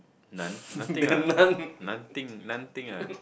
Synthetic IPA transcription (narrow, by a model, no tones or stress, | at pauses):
nanãɡ̪anannant̪ɪŋnant̪ɪŋa